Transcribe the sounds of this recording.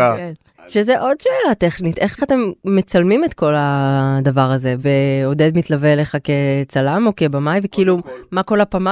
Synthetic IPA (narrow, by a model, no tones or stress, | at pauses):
a | ʃezeʔo̞dʃeːlate̞χnit̪e̞χate̞mːet͡salmimet̪ko̞lad̪avaʁaze̞veo̞ded̪mitlave̞leχaket͡salamo̞ke̞bamajvekiiːlumako̞lapama